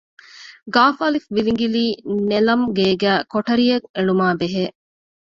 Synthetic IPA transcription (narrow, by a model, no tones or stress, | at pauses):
ɡaːfɐlifʋiliŋɡiliːnelɐmɡeːɡæːkoʈɐɾijɐŋeɭumaːbeɦeː